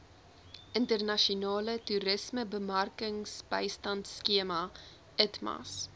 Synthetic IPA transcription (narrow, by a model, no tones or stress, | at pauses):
ʔəntərnɐʃiunɑːlətuɾəsməbəmɐrkəŋsbɐ̰jstɐntskiəmɐ | ətmɐ̰s